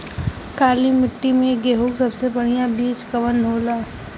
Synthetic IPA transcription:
kaːlimɪʈːimẽɡeːɦoksɐbsebɐɽijabiːt͡ʃkɐʋənɦoːlaː

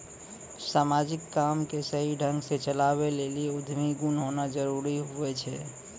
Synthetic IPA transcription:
samad͡ʒikːamkesəɦiɖʱəŋɡset͡ʃəlaβelelieud̪ʱmiɡunɦonad͡ʒəɾuɾiɦuɛt͡ʃʰɛ̰

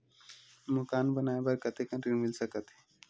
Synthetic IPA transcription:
mʊkaːnbənaːebəɾkət̪ʰekə̃ninmɪlsəkət̪ː

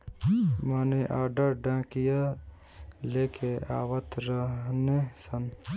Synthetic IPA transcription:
maːneʔaːɾɖəɾɖãːkija | leːkʰea̰ːwət̪ɾəɦnesən

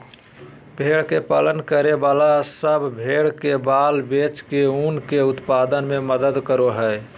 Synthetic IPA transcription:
bʱeɽkepalənkəɾebalasəbbʱeɽkebaːlbet͡ʃkeunkeʊt̪pad̪ənmeməd̪əd̪kəɾoɦə

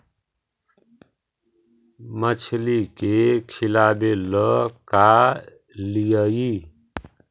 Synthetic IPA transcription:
mət͡ʃʰlikekʰilabeləka | lijəi

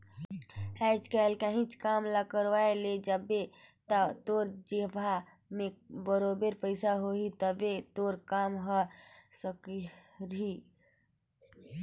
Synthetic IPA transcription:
ɛːt͡ʃkɛːlkaɦĩt͡ʃkaːmlakəɾwaeled͡ʒəbet̪ət̪oːɾd͡ʒebʱa | mẽbəɾoːbeɾpəɪsaɦoːit̪əbet̪oːɾkaːmɦosəkiɾi

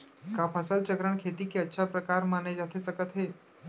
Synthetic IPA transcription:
kaːpʰəsəlt͡ʃəkɾəɳkʰeːt̪ikeɐtːʃʰapɾəkaːɾmaːned͡ʒat̪ʰesəkət̪ɦeː

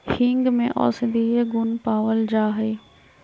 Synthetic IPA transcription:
hĩŋɡmẽʔɔ̰ːsɪd̪ieɡʊnpaːʋəld͡ʑaːɦeː

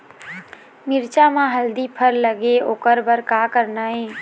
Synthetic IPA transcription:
mɪɾt͡ʃamãɦəld̪ipʰəɾləɡeoːkəɾbəɾkaːkəɾnaːɦẽː

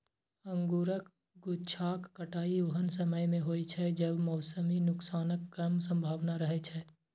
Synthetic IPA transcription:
ə̃ŋɡuːɾək | ɡʊt͡ʃʰaːkːəʈaːiʊɦənsəməjmẽɦoːit͡ʃʰɛd͡ʒəbmɔːsəminʊksaːnəkːəmsə̃mbʱaːʋnaɾəɦet͡ʃʰɛ

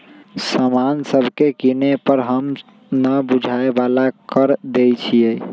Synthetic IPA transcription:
səmansəbʱkekinepəɾɦəm | nəbud͡ʒʱaebalakəɾd̪ejt͡ʃʰiej

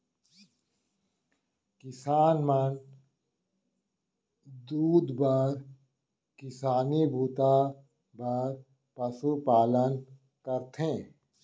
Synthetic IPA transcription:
kɪsaːnmən | d̪uːd̪bəɾ | kɪsaːnibʱuːt̪a | bəɾ | pɐsupaːlən | kəɾt̪ʰẽː

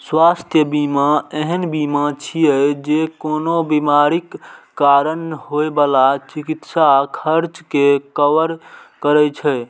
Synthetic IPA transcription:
swast̪ʰjəbimaeɦənbimat͡ʃʰijɛd͡ʒekonobimaɾikː | aɾənɦoebalat͡ʃikit̪sakʰəɾt͡ʃkekəʋəɾkəɾɛt͡ʃʰɛ

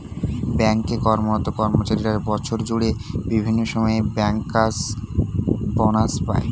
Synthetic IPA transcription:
bɛŋkekɔɾmonɔt̪ːokɔɾmot͡ɕaɾiɾaɾbɔt͡ɕʰoɾd͡ʑuɽebibʱinːoʃɔmɔebɛŋkːas | bɔnaspa̰e

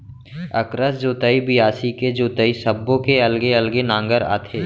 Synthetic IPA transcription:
ə̰kɾəsd͡ʒoːt̪əibɪjaːsiked͡ʒoːt̪əisəbːõkeɐlɡeɐlɡenãːŋɡəɾa̰ːt̪ʰeː

